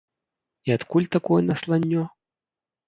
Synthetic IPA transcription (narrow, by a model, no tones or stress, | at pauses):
iat̪kulʲt̪akɔjɛnɐslˠanʲːɔ